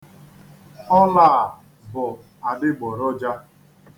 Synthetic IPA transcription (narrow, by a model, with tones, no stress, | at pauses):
ɔ˦laː˦˨ | bʊ˨ | a˨dɪ˦ɡ͡bɔ˨ɾɔ˦d͡ʒa˦